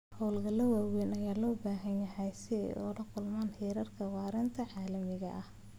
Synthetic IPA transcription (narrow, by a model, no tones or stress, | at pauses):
hɔwlɡɐlɐwaːwɛnɐjaːlɔːbaːɦɐnjɐɦɛjsɪɛ̰jʔɔ̰ɽɐqʰʊlmaːnhɛːɾɐrkʰɐwɑːɾɛnt̪ʰɐʕɑːlɐmɪɣɐʔɐh